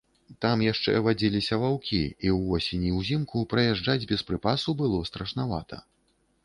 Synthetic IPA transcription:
t̪amjaʂt͡ʂɛ̰vad͡zʲilʲisʲɐvawkʲiiwvɔsʲenʲiwzʲimkupɾɐjaʐd͡ʐad͡zʲbʲɛspɾɨpasubɨlˠɔst̪ɾɐʂnava̰t̪ɐ̰

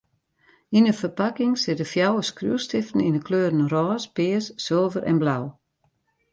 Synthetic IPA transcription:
inəfərpakɪŋsɪtəfjawəskrjṵəstɪftən̩inəkʰløːɾən̩rɔːspɪːəsːɪlˠvəɾʔɛ̰nblaw

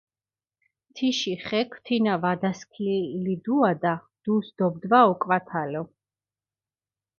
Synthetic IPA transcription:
t̪ʰiʃiχɛkʰw̥t̪ʰinavad̪askʰilid̪uad̪a | d̪̥usd̪̥ɔbd̪vaɔkʼvat̪ʰalɔ

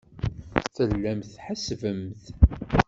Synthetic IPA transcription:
θəlːæmθħasvəmθ

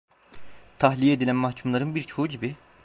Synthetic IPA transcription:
t̪ʰahlʲijed̪ilʲænmahcʰumlˠaɾɯnbiɾt͡ʃʰouɟibi

